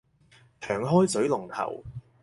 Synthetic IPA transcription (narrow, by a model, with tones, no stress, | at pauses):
k̪ʰœː˨˩ŋɦɔː˥jt͡sɵ˨˥ɥlʊ˨˩ŋt̪ʰɐ̰˨˩w